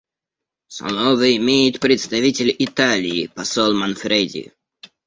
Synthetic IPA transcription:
sɐ̰nɔvɨɪmʲejɪt̪pɾʲɪt̪st̪ɐvʲitʲɪlʲɪt̪alʲɪːpɐsɔlˠmanfɾʲedʲɪ̰jʊ̰

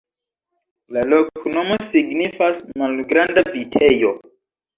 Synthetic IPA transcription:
lalo̞kʰonomo̞siɡnifasmalɡɾandavitʰejo̞

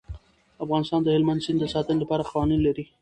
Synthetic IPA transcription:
afɣɑnɪst̪ɑnd̪əhɪlmand̪zɪnd̪d̪əsɑt̪ənɪlapɑɾaqawɑninlaɾi

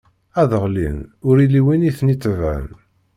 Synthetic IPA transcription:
æðəʁlḭnʊɾiliwiniθnit͡sːəvæ̰n

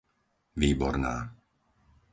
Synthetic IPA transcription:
ʋiːbɔ̰ɾnaː

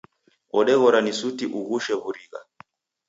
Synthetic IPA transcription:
ɔɗɛɣɔɾanisutiʔuɣuʃɛβuɾiɣa̰

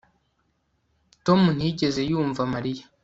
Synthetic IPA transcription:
to̞mun̥iɟe̞ze̞juːɱvamaɾija

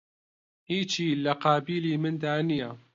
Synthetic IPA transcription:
hiːt͡ʃiːlɐqaːbiːliːmɨnd̪aːnija

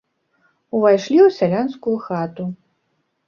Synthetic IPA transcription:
uvajʂlʲiusʲalʲanskujuxat̪u

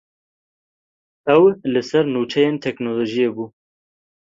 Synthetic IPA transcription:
ɛwlɨsɛɾnuːt͡ʃʰɛjeːnt̪ʰɛknoloʒijebuː

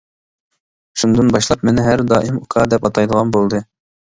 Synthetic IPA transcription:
ʃund̪ɨnbɑʃlˠɑp̚mɪnɪɦæɾd̪ɑ̰ːʔimukʰɑd̪ɛpɑt̪ʰɑjd̪əʁɑnbolˠd̪ɨ

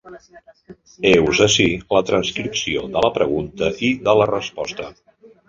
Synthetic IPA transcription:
ewzəsilət̪ɾənskɾipsioðələpɾəɣ̞unt̪əʔiðələrəspɔst̪ə

